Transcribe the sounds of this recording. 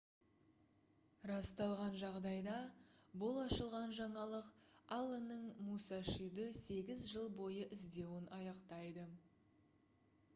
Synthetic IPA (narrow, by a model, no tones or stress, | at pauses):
rɑst̪ɑlˠʁɑnʒɑʁd̪ɑjd̪ɑbʊlˠɑʃəlˠʁɑnʒɑɴɑlˠəqɑlˠːənəɴmusɑʃid̪əse̞ɡʲɪzʒəlˠbo̞jəʔɪzd̪e̞wɪnɑjɑqt̪ɑjd̪ə